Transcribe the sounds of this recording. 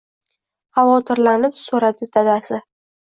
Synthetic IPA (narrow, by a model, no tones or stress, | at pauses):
χavɒt̪ʰɪɾlanɪpsoɾad̪ɪd̪ad̪asɪ